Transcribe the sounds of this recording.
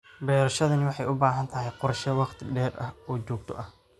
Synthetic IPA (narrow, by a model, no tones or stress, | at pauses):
bɛːɾɐʃɐðɐnɪwɑħɑjʊbaːɦɐnt̪ʰɐɦɛjqɔɾʃɐwɑqt̪ʰɪɖɛːrʔɐ̰hɔːt͡ʃɔːɡ̚t̪ʰɔ̰ʔɐh